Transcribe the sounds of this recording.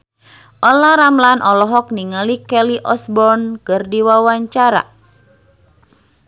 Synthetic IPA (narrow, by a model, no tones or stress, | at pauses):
ʔɔlaɾamlanʔɔlɔɦɔk̚niŋəlikɛliʔɔsbɔrnkɨrdiwawaɲt͡ʃaɾa̰